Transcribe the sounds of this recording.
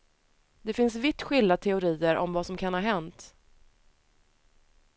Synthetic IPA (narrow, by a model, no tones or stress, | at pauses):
d̪ɛfɪns̬vɪt̪ːɧɪlːat̪ʰɛʊɾiːəɾʔɔ̰mvasɔmkʰanhaɦɛnt̪